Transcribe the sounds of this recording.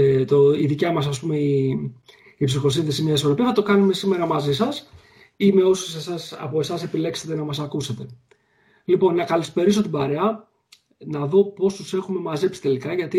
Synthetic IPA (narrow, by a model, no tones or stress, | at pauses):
t̪oiðicɐmɐs̬ɐspume̞i | ipsixo̞sinθe̞simiɐiso̞ɾo̞piɐθɐt̪o̞kɐnume̞sime̞ɾɐmɐzisɐs | ime̞o̞susesɐsɐ̰po̞esɐse̞pile̞kset̪enɐmɐsɐkuse̞t̪e̞ | lipo̞nːɐkɐlispe̞ɾiso̞t̪ibɐɾeɐ | nɐðo̞po̞st̪use̞xume̞mɐze̞psi̥t̪e̞likɐʝɐt̪i